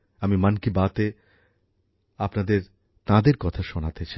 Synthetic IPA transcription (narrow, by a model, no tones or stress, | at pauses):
amimankibat̪e | apnad̪eɾ | t̪ãd̪eɾkɔt̪ʰaʃonat̪et͡ɕʰi